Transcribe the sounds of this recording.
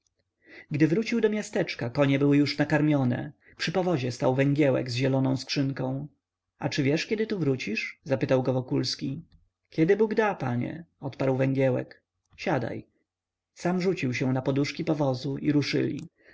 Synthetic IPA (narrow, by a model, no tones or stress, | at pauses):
ɡd̪ɘvɾut͡ɕiwd̪ɔmʲjast̪ɛt͡ʂkakɔɲɛbɘwɘjuʂnakaɾmʲjɔnɛ̰ | pʂɘpɔvɔʑɛst̪awvɛŋɡʲjɛwɛ̰ɡzʑɛlɔnɔ̃w̃skʂɘŋkɔ̃w̃ | at͡ʂɘvʲjɛʂkʲɛd̪ɘt̪uvɾut͡ɕiʂzapɘt̪awɡɔvɔkulskʲi | kʲɛd̪ɘbuɡd̪apaɲɛ̰ɔt̪paɾwvɛŋɡʲjɛwɛ̰k | ɕad̪a̰j | samʐut͡ɕiwɕɛ̃napɔd̪uʂkʲipɔvɔzuʔḭɾuʂɘ̰lʲḭ